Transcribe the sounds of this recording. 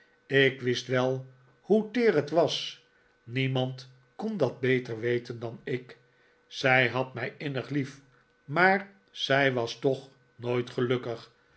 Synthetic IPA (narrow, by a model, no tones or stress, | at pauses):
ɪkʋɪstʋɛlˠ | hutɪːrətʋɑs | nimɑnt | kɔndɑd̚bejtəɹʋejtəndɑnɪk | sɛjɦɑtmɛjɪnəχlif | maːɹ | z̥ɛjʋɑstɔχ | noːjtχəlɵkəχ